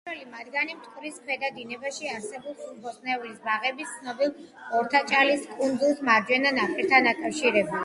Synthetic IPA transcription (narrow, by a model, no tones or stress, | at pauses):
ɛlimad̪ɡanimt̪ʼkʼɾisχʰmɛd̪ad̪inɛbaʃiaɾsɛbulˠsubʰɔsnɛulisbaʁɛbist̪sʰnɔbilˠɔɾt̪ʰat͡ʃʼaliskʼund̪zulˠsmaɾd͡ʒwɛnanapʰʼiɾt̪ʰanakʼafʃiɾɛba